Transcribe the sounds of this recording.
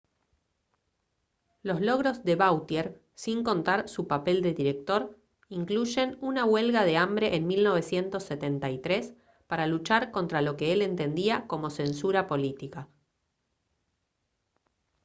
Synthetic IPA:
lo̞zlo̞ɣɾo̞zðe̞βawt̪jeɾ | siŋko̞nt̪aɾsupape̞ld̪e̞ðiɾe̞k̚t̪o̞ɾ | iŋkluʒe̞nunawe̞lɣað̞e̞ambɾe̞ʔenmilno̞β̞e̞sje̞nt̪o̞sːet̪e̞nt̪ajt̪ɾe̞s | paɾalut͡ʃaɾko̞nt̪ɾalo̞ke̞ele̞nt̪e̞nd̪iako̞mo̞se̞nsuɾapo̞lit̪ika

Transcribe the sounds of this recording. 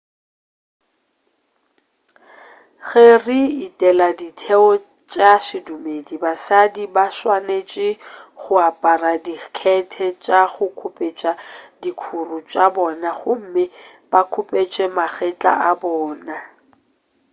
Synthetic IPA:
ɣeriːtʼɛladitʰɛɔ | t͡ʃʼaʃɪdumedibasadibaʃwanet͡ʃʼɪχʊapʼaradikʰɛtʰɛt͡ʃʼaχʊkʰʊpʼet͡ʃʼadikʰurʊt͡ʃʼabɔnaχʊm̩mɪ | bakʰʊpʼet͡ʃʼɛmaχɛt͡ɬʼa̰ʔabɔːna

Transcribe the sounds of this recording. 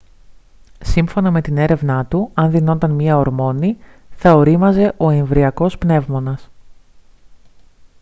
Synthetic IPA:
siɱfo̞nɐme̞t̪ine̞ɾe̞vnɐt̪uɐnðino̞nt̪ɐnmɲiɐoɾmo̞ni | θɐo̞ɾimɐze̞ʔo̞eɱvɾiɐko̞spne̞vmo̞nɐs

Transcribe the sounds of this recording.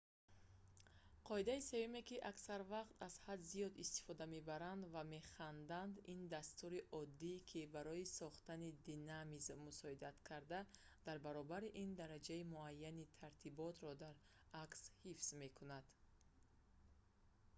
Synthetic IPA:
qʰɔid̪aise̞jume̞kiʔaksaɾvaqt̪ʰaz̥had̪zijɔd̪ist̪i̥fɔd̪ame̞baɾand̪vame̞χand̪and̪ind̪ast̪uɾiʔɔd̪ːikʰibaɾɔisɔχt̪anid̪inamizmusɔid̪at̪kʰaɾd̪a | d̪̥aɾbaɾɔbaɾiʔind̪aɾad͡ʒaimuajːanit̪ʰaɾt̪ʰibɔt̪ɾɔd̪aɾ | akshifsme̞kʰunad̪̥

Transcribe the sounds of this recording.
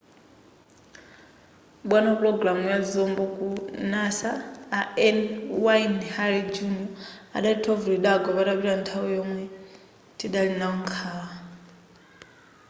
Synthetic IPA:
ɓwanapuɾɔɡɾamujad͡zɔmbɔkʼunasaːɛnwainhaɾid͡ʒunɔa̰ɗaitʰɔvuɾiɗaɡɔβaɗaβiɺantʰawɛjɔmwɛ | tʰʼiɗalinaɔŋkʰaa

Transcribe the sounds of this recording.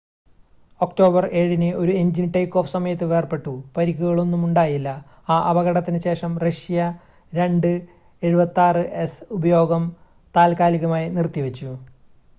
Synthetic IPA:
o̞kʈo̞ːbɐre̞ːɻinɨo̞ɾueɲd͡ʑinʈɐjkːo̞ːfsɐmɐjɐt̪ːɨʋe̞ːrpe̞ʈːupɐɾikʲːuɣɐɭo̞nːumuɳɖaːjilːɐ | aːʔɐbɐɣɐɽɐt̪ːinɨɕe̞ːʂɐmrɐʂijɐ | ɾe̞ɳɖɨ | e̞ɻubɐt̪ːaːrɨʔesubɐjo̞ːɡɐm | t̪aːlkaːliɣɐmaːjinirt̪ːiʋet͡ɕːu

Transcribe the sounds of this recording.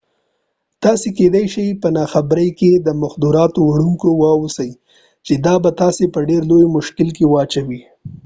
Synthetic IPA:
t̪ɑseked̪ajʃijpənɑxabɾəjked̪əmaxd̪uɾɑt̪owaɽuŋkowɑwusaj | t͡ʃed̪ɑbat̪ɑsepəɖeɾlojmʊʃkɪlkewɑt͡ʃawi

